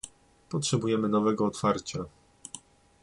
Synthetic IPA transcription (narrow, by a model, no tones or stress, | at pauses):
pɔtʂɛbujɛmɘnɔvɛɡɔːt̪faɾt͡ɕa